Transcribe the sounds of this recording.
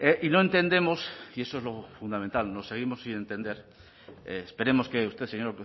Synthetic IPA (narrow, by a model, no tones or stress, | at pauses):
eʔino̞e̞nt̪e̞nd̪e̞mo̞sie̞so̞ezlo̞fund̪ament̪alno̞se̞ɣ̞imo̞sine̞nt̪e̞nd̪e̞ɾ | ḛːspe̞ɾe̞mo̞ske̞ust̪eseɲoɾ